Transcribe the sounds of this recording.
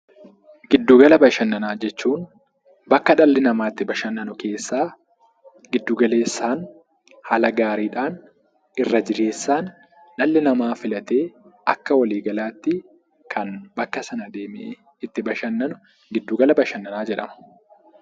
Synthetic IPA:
ɡ̥ɪd̪ːuːɡɐlɐbɐʃɐnːɐnaːd͡ʒɛt͡ʃːuːn | bɐkːɐᶑɐlːɪnɐmaːt̪ːɪbɐʃɐnːɐnʊke̞ːsːaː | ɡɪd̪ːuːɡɐle̞ːsːaːn | hɐlɐɡaːɾiːᶑaːn | ɪrːɐd͡ʒɪɾe̞ːsːaːn | ᶑɐlːɪnɐmaːfɪlɐt̪e̞ːɐkːɐwɐliːɡɐlaːt̪ːɪ | kʰɐnbɐkːɐsɐnɐd̪eːmɪʔe | ɪt̪ːɪbɐʃɐnːɐnʊ | ɡɪd̪ːuːɡɐlɐbɐʃɐnːɐnaːd͡ʒɛᶑɐmɐ̥

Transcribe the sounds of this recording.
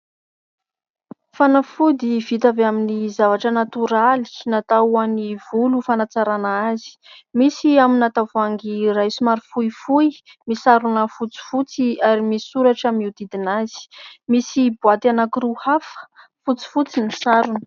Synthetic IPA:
fanafud̪ivit̪aveaminizavaʈ͡ʂənat̪uɾali̥nat̪aaniv̥ulufanat͡saɾanaazi̥misiaminat̪avaŋɡirajsumaɾifujfuj | misaɾunəfut͡si̥fut͡siaɾimisuɾaʈ͡ʂamiwd̪id̪inazi̥misibuat̪anakiɾuhafə̥ | fut͡si̥fut͡sinisaɾunə̥

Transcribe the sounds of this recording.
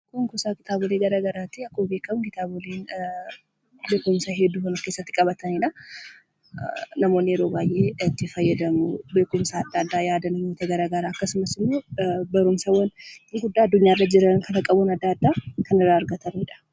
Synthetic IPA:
kʊŋkʊsaːkɪ̥t̪ʰaːbʊleːɡɐɾaːɡɐɾaːt̪ɪɐkːoːbeːkːɐmkɪt̪aːbʊleːn | beːkʊmsaɦɛd̪ːuːkɐnɐke̞ːsːɐt̪ːɪkʼɐbɐt̪ɐniᶑɐ | nɐmoːnːɪɪɾo̞ːbaːjʔeːɐt̪ːɪfɐjːɐd̪ɐmʊbe̞ːkʊmsaːd̪ːaːd̪ːaːjaːd̪ɐnɐmoːt̪ɐɡɐɾaːɡɐɾaːɐkːɐsʊmɐsɪmːoːbɐɾʊmsɐwɐnɡʊd̪ːaːɐd̪ːʊɲːaːɪrːɐd͡ʒɪɾɐnkʰɐnɐkʼɐbʊnɐd̪ːaːd̪ːaːkɐnɪrːaːɐɾɡɐt̪ɐniᶑɐ̥

